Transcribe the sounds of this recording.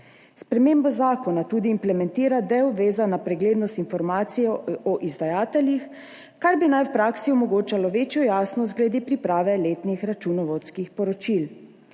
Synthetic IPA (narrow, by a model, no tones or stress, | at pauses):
spɾɛmeːmbɔzaːkɔnat̪uːd̪iːmplɛmɛnt̪iːɾad̪ɛwʋeːzanapɾɛɡleːd̪nɔst̪infɔɾmaːt̪sijɔʔɔʔizd̪ajaːt̪ɛljix | kaɾbinajwpɾaːksiɔmɔɡoːt͡ʃalɔʋeːt͡ʃjɔjaːsnɔst̪ɡlɛd̪epɾipɾaːʋɛleːt̪nixɾat͡ʃunɔʋɔt̪skixpɔɾɔt͡ʃil